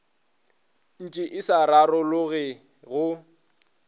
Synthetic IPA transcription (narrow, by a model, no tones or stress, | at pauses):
n̩t͡ʃʼɪʔɪsaɾarɔlʊɣɪ | ɣʊ